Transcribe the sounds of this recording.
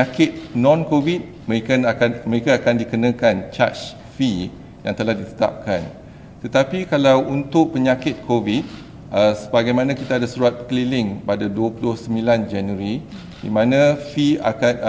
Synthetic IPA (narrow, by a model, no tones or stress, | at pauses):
akɪt̪̚nɔ̃nkovit̪̚məekaamə̃ɾekaːkandikənãkant͡ʃa̰t͡ʃ | fi | jaŋt̪əlahdit̪ə̥t̪a̰p̚kan | t̪ət̪apikalawunt̪ʊʔ̚pəɲãkɪt̪̚kʰovit̪̚ | əsəbaɡajmãnãkit̪aːdasuɾuat̪̚kəlilɪŋpadaduəpulʊhsəmbiland͡ʒanuəɾi | dḭmãnãfia̰kat̪